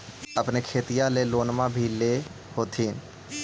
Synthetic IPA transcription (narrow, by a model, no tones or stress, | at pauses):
əpnekʰeːt̪ijãleloːnmãbʱile | hoːt̪ʰiːn